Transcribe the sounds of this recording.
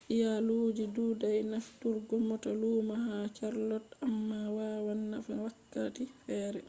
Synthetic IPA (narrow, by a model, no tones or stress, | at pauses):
ʔijaloːd͡ʒiduːdajnaftːuɾɡɔmːɔtaluːmahat͡ʃaɾlɔtamːawawanːafawakːatifɛːɾɛ